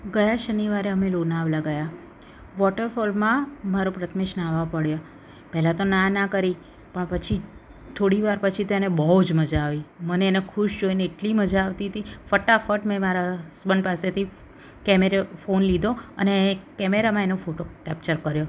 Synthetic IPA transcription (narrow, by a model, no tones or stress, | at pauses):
ɡəjaʃəniʋaɾeəmelonaʋlaɡəja | ʋɔʈəɾfɔlmãmaɾopɾət̪ʰmeʃnaʋapəɽjo | pɛɦlat̪onanakəɾi | pəɳpət͡ʃʰi | t̪ʰoɽiʋaɾpət͡ʃʰit̪oenebəud͡ʒməd͡ʒaːʋiməneenekʰuʃd͡ʒoineːʈliməd͡ʒaːʋt̪iət̪ifəʈafəʈmẽmaɾasbəɳpaset̪ʰi | kɛmeɾefonlid̪ʱoə̰nekɛmeɾamãenofoʈokɛpt͡ʃəɾkəɾjo